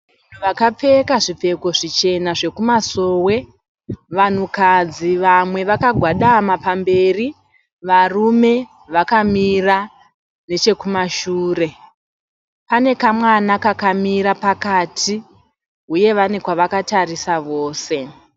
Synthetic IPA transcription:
an̤uʋakap͡fe̞kaʐip͡fe̞ko̞ʐit͡ʃe̞naʐe̞kumaso̞ːwe̞ | ʋan̤ukad͡ziʋamwe̞ʋakaɡʱwaɗamapambe̞ri | ʋarume̞ | ʋakamira | ne̞t͡ʃe̞kumaʃuːre̞ | pane̞kamwanakakamiɾapakaːtʰi | uje̞ʋane̞kwaʋakatarisaʋo̞ːse̞

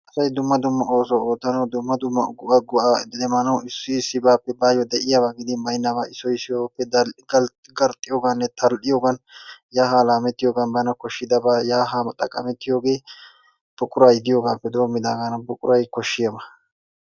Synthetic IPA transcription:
ʔɐsɐjd̪ʊmːɐd̪ʊmːɐʔoːsooːt̪ːɐnɐwd̪ʊmːɐd̪ʊmːɐɡʊɐɡʊʔad̪ɛmɐnɐwɪsːʊsɪbaːpːɛbaːjɔd̪ɛʔɪjabaɡɪd̪ɪmɐjnːabaːɪsɔjsɪjopːɛd̪ɡɐ | ɡɐɾt̪ʼːɪjoːɡanːɛt̪ʰɐlɗɪjoːɡɐnjaːɦaːlaːmɛt̪ːɪjoːɡɐnbɐnɐkɔʃːɪd̪ɐbaːjaːɦamɐt̪ʼːɐkʼːɐ̰mɛt̪ːɪjo̞ːɡe̞ː | b̥ʊkʼʊɾaːjɪd̪ɪjo̞ːɡaːpːɛd̪o̞ːmːɪd̪aːɡanɐbʊkʼʊɾɐjkɔʃːɪjɐbɐ

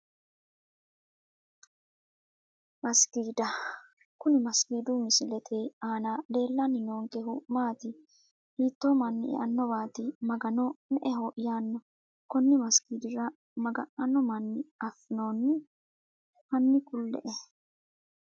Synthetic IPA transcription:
mɐskiːd̪ɐ | kʊnɪmɐskiːd̪umɪsɪlɛt̪ʰeːaːnale̞ːlːanɪnoːŋkeɦʊmaːt̪ɪ | hiːt̪ːomɐnːɪɛ̰ʔɐnːɔbaːt̪ɪmɐɡɐnɔmɛʔɛɦoʔɪjaːnːɔ | kɔnːɪmɐskiːd̪ɪɾɐ | mɐɡɐʔɐnːɔmɐnːɪɐfːɪnoːnːɪ | hɐnːɪkʊlːɛ̰ʔɛ

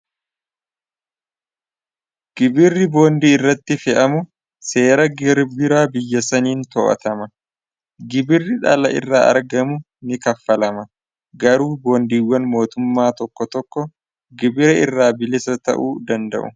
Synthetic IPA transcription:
ɡ̥ɪbɪrːɪbo̞ːnd̪iːɪrːɐt̪ːɪfɛʔɐmʊ | se̞ːɾɐɡɪɾbɪɾaːbɪjːɐsɐniːnt̪ɔ̰ːʔɐ̰t̪ɐmɐ | ɡɪbɪrːɪᶑɐlɐ̰ʔɪ̰rːaːɐ̰ɾɡɐmʊ | nɪkɐfːɐlɐmɐ | ɡɐɾuːbo̞ːnd̪iːwːɐnmo̞ːt̪ʊmːaːt̪ɔkːɔt̪ɔkːɔ | ɡɪbɪɾɐɪrːaːbɪlɪsɐt̪ɐ̰ʔuːd̪ɐnd̪ɐ̰ʔʊ̰

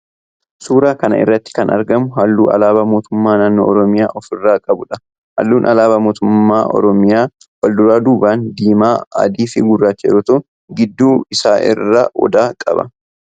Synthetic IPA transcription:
suːɾaːkɐnɐ̰ɪ̰rːɐt̪ːɪ̥kɐnɐ̰ɾɡɐmʊɦɐlːuːʔɐ̰laːbɐmoːt̪ʊmːaːnaːnːo̰ːɔɾɔmɪjaːʔɔfɪrːaːkʼɐbʊᶑɐ | hɐ̰lːuːnʔɐlaːbɐmoːt̪ʊmːaːʔɔ̰ɾɔmɪjaː | wɐld̪ʊɾaːd̪uːbaːnd̪iːmaːɐ̰d̪iːfɪɡʊrːaːt͡ʃːɛ̰ɾɔt̪ʊ | ɡɪd̪ːuːɪsaːʔɪ̰rːaːʔɔ̰d̪aːkʼɐ̰bɐ̰

